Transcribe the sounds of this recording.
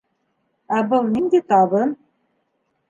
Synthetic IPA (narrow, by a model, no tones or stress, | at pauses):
æbɤlˠnind̪et̪ɑβɤn